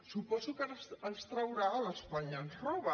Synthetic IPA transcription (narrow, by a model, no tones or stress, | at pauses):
supɔzukəənst̪ɾəwɾaːləspaɲənsrɔβə